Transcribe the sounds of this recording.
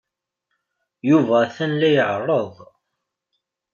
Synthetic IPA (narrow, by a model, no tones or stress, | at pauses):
juvæθænlæjəʕərˤːəðˤ